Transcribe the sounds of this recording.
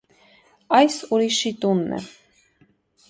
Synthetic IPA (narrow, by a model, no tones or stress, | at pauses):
ɑjsuɾiʃit̪unːɛ̰